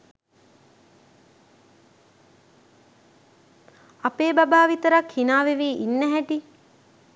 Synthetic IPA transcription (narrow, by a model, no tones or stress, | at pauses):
apeːbabaːʋit̪əɾakhinaːʋeʋiːʔinːæɦæʈi